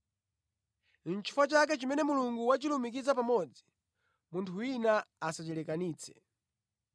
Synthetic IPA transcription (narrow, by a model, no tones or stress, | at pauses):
nt͡ʃʰi̥fat͡ʃak̬ɛt͡ʃimɛnɛmuluŋɡuwat͡ʃilumikizapamɔd͡zi | muntʰuwinaasat͡ʃɛlɛkaniːt͡sʰɛ̥̰